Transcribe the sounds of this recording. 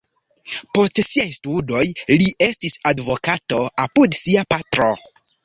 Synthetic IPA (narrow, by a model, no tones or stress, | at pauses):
po̞stsiajstudo̞jliʔe̞stisadvo̞kato̞apudsiapatɾo̞̰